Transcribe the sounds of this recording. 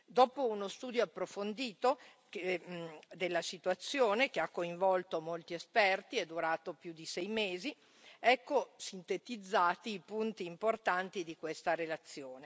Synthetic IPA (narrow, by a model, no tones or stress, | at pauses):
d̪ɔːpounost̪uːd̪joapːɾofond̪iːt̪o | ke | d̪elːasit̪uat̪sːjoːnek̟eakːoiɱvɔlt̪omolt̪iespɛrt̪ied̪ːuɾaːt̪opjud̪isɛjmeːzi | ɛkːosint̪et̪id̪zːaːt̪iːpunt̪iːmport̪ant̪id̪ikwest̪aɾelat̪sːjoːne